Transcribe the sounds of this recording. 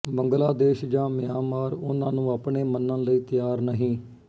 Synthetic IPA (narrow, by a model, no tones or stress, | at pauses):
bəŋɡlaːd̪eːʃd͡ʒãːmɪjaːmaːɾʊnãːnũːapɳeːmənːə̃ːləiːt̪ɪjaːɾnəɦĩː